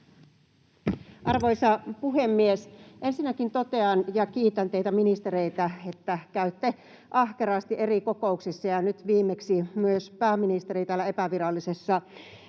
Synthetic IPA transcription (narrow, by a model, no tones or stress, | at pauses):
ʔɑrʋojsɑpuɦemːiesʔensinːækint̪ot̪e̞ɑnjɑkiːt̪ænt̪eit̪æminist̪eɾeijt̪æet̪ːækæyt̪ːe | ʔɑhkeɾɑːst̪iʔe̞rikokouksisːɑjɑnyt̪ʋiːmːeksimyøspæːmːinist̪eɾit̪æːlːæepæʋirɑlːisesːɑ